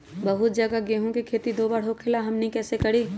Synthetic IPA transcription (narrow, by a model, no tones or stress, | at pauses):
bɐɦʊt̪̚d͡ʒɐɡaɡeɦũkikʰeːt̪id̪oːbaɽ̤ɦokʰelaɦɐmnĩkɛːsekɐɽiː